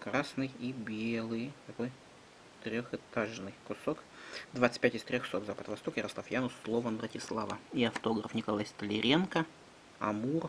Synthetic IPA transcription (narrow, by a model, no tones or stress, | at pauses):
kɾasnɨjibʲelˠɨjt̪ɐko̞j | t̪ɾʲoxɨt̪aʐnɨjkʊsokd̪vat̪sɨ̥t̪̚ʲpʲætʲɪst̪ɾʲoxso̞t̪zapət̪vɐst̪okjɪɾɐslˠafjanʊsːlˠovənvɾətʲɪslˠavəiɐft̪o̞ɡɾəfnʲɪkalˠajst̪əlʲɪɾʲe̞nkə | ɐ̰mur